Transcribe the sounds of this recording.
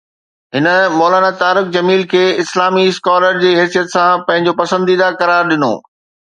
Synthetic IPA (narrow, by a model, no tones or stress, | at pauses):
ɦɪnə̆mɔːlaːnat̪aːɾʊkd͡ʑɐmiːlkʰeːɪslaːmiɪskaːləɾd͡ʑeːɦɛːsijət̪sãpɐ̃ɦɪ̃ɲd͡ʑopɐsə̃nd̪iːd̪akɐɾaːɾɗɪno̰ː